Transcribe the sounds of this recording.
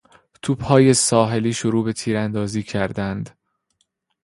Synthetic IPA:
t̪ʰuːb̥hɒːje̞sɒːɦe̞liːʃoɾuːbe̞t̪ʰiːɾænd̪ɒːziːcʰæɾd̪ænd̪

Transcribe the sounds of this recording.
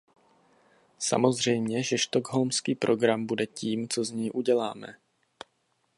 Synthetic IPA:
sa̰mo̞zr̝ɛjmɲɛʒɛʃt̪oɡɦolmskiːpɾʔo̞ɡɾambudɛciːmt͡so̞zɲɛjʔuɟɛla̰ːmɛ̰

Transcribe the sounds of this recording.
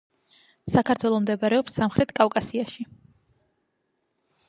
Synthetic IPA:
sakʰaɾt̪ʰwɛlˠɔmd̪ɛbaɾɛɔpsːamχɾʔɛt̪ʰkʼakʼasiaʃi

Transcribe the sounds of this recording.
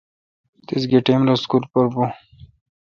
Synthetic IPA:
t̪isɡeʈemlaskulpɐɾbu

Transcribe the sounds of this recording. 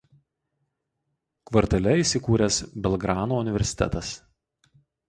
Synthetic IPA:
kʋɐɾt̪ʲɐlʲɛiˑsʲɪkuːɾʲɛsbʲɛlˠɡɾɑːnoʊnʲɪʋʲɛɾʲsʲɪ̥t̪ʲɛ̰t̪ɐs

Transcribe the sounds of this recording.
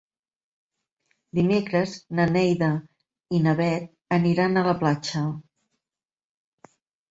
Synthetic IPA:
d̪imekɾəznənɛjðə | inəβɛt̪̚ | əniɾanələplat͡ʃə

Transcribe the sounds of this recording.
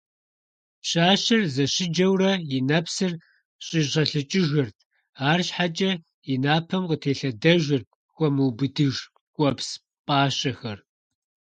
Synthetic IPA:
pɕaːɕɐrzɐɕɪd͡ʒɐwrɐjɪnɐpsɨr | ɕʼɪʑɐɬɨt͡ʃʼɪʒɐrtʰ | aːrɕħat͡ʃʼɐ | jinaːpʰɐmqətʰeːɬɐdɐʒɐrt̚ʰ | xʷɔmuːbɨdɨʒ | kʷʼɔps | pʼaːɕɐxɐr

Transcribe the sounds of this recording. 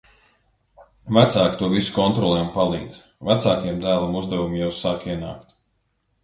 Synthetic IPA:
væt̪saːkt̪uɔvisu̥kɔnt̪ɾɔlˠɛːmpalˠḭːd̪z | væt̪saːkijɛmd̪æːlˠamuzd̪ɛvumjawsaːkiɛna̰ːkt̪

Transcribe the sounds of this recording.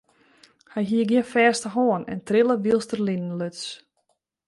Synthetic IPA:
hajɦiəɡjɪnfɛːstəɦoənɛ̰ntrɪlˠəʋilˠstərlinən̩løts

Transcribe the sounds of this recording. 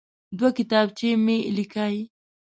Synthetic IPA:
d̪wakɪt̪ɑb̚t͡ʃemelikaj

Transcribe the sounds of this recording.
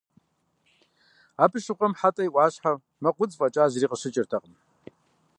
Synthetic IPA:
aːpʰɨʃɨqʷʼɐmħatʼɐjʔʷɑːɕħa | mɐqʷʊt͡sʼfʼɐt͡ʃʼaːzriːqəɕɪt͡ʃʼɪrtʰɐqʼəm

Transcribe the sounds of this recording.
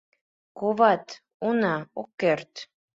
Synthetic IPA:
koβɑt̪ | unɑokːert̪

